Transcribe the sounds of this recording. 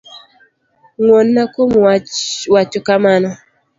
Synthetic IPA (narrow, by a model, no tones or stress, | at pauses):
ŋwonːakomwat͡ʃɔkamanɔ